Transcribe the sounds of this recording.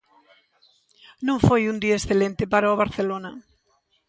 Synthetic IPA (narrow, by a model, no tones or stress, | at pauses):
nõŋfojund̪iaesθelent̪epaɾooβ̞aɾθelona